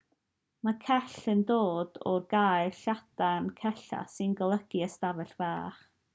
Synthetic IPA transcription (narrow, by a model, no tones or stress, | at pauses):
makʰɛɬəndoːdɔrɡaːjɬad̥ankʰɛɬa̰sɨnɡəlˠəɡ̥iəstavɛɬvaːχ